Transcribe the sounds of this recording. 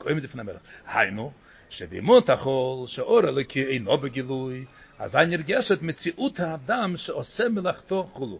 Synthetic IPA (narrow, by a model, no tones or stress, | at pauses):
kʰɔɪmdɪfɪnamɛlχha̰jnu | ʃɛbɪ̰mɔt̪aχɔlˠʃɛɔɾɛlˠokʰɪeɪnɔbɪɡɪlˠuj | a̰zajnɪɾɡɛʃətmɪt͡siʔut̪haːdamʃɛɔsɛmɪlˠaχt̪ɔχulˠu